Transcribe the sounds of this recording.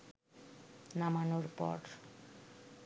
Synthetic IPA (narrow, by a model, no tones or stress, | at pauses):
namanoɾpɔ̰ɾ